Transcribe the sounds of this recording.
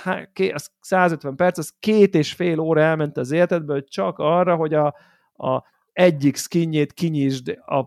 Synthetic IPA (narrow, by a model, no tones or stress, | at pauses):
hakeɒssaːzøt̪ʋɛmpɛrt̪sɒskeːt̪eːʃfeːloːɾɒɛlmɛnt̪ɛɒzeːlɛt̪ɛd̪̚bøːlt͡ʃɒkɒrːɒɦo̞ɟɒ | ɛɟːikskiɲːeːt̪kiɲiːʒd̪ɒ